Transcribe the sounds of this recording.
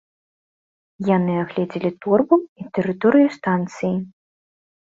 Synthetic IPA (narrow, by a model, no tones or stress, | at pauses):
janɨaɣlʲɛd͡zʲilʲit̪urbuit̪ɨɾɨt̪ɔɾɨjust̪ant̪sɨji